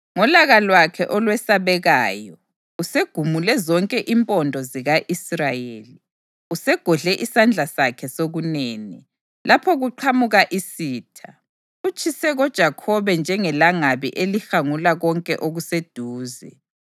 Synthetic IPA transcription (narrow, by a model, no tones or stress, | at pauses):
ŋɔlaɣalwakʰɛʔɔlwɛsaβɛɣaːjɔ | useɡ̥ʱumulɛzɔŋkʼɛʔimpʼɔndʱɔziɣaʔisrajḛːli | usɛɡ̥ʱɔɮɛʔisand͡ɮʱasakʰɛsoɣuneːni | lapʰɔɣuǃʰamuɣaʔisiːtʰa | ut͡ʃʼisɛɣɔd̥ʒ̥ʱakʰɔβɛnd͡ʒʱɛŋɛlaŋaβḭʔelixaŋulaɣɔŋkʼɛʔoɣused̥ʱuːzɛ̰